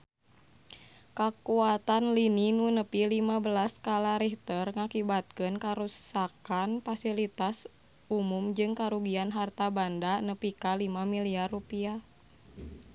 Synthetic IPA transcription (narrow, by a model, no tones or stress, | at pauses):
kakuat̪anlininunəpilimabəlaskalaɾiht̪ərŋakibat̪̚kɨnkaɾusakanfasilit̪as | umumd͡ʒɨŋkaɾuɡianɦart̪abandanəpikalimamiliarːupia